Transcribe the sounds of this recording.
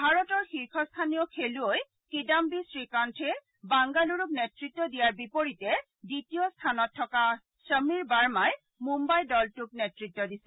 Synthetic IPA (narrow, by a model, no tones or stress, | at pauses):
bʱaɹɔtɔɹxiɹkʰɔstʰanijɔkʰeluoj | kidambisɹikantʰɛ | baŋɡaluɹuk̚netɹitːɔdijaɹbipoɹitɛ | ditijɔstʰanɔtʰːɔka | səmiɹbaɹmaj | mumbajdɔltuk̚netɹitːɔdisɛ